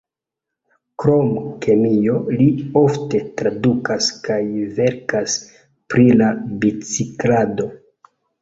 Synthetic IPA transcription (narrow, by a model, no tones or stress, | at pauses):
kɾomkʰe̞mijo̞lio̞fte̞tɾadukaskajve̞ɾkas | pɾilabit͡siklado̞